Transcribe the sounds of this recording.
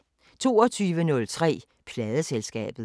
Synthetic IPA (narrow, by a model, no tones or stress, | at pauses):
t͡sʰo̝̰ːɒt͡sʰyːʋənɔ̽lt͡sʰʁɛ̰ː | pʰlɛːð̞ˠəselsɡ̥ɛ̰ːb̥ð̩ˠ